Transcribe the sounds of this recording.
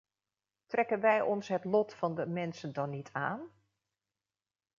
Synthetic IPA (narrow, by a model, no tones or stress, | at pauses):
trɛkənʋɛjʔɔnsɦətlɔtfɑndəmɛnsəndɔnːitʰa̰ːn